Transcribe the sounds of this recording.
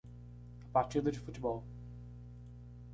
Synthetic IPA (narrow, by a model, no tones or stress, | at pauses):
ɐpaɾt͡ʃid̪ɐd͡ʒɪfut͡ʃɪbɔwl